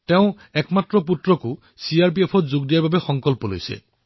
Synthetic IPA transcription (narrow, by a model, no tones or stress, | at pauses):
t̪eʊ̃ | ekmat̪ɾɔp̬ut̪ɾɔku | siaɾp̬iepʰɔd͡ʒuɡd̪ijabʱabexɔŋkɔlpɔlo̰jsḛ